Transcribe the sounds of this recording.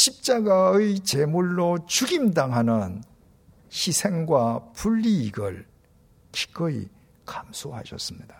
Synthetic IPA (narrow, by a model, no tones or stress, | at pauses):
ɕʰip̚t͡ɕ͈aɡaɯjit͡ɕemuɭːot͡ɕuɡimdaŋɦanɯn | ɕʰisʰe̞ŋɡwapuʎːiːɡɯ̰ɭ | kʰi̥k͈ɯḭ | kamsʰoha̰ɕʰʌ̰s͈ɯmɲid̥a